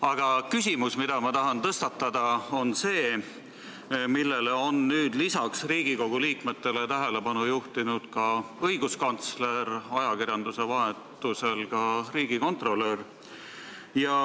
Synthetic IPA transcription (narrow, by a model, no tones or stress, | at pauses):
ɑɡ̥ɑkysʲimusmid̪̥ɑmɑt̪ɑɦɑnt̪ɤst̪ɑt̪ːˑɑd̪ɑo̞nse̞ː | milːe̞leo̞nːyːd̪̥lisɑksriːɡ̥iko̞ɡ̥uliːkme̞t̪ːe̞let̪æɦele̞bɑnujuht̪inud̪̥kɑɤjɡ̥uskɑnt̪sle̞ɾɑjɑkirjɑnd̪use̞vɑɦet̪ːˑuse̞lkɑriːɡ̥iko̞nt̪ro̞ler | jɑ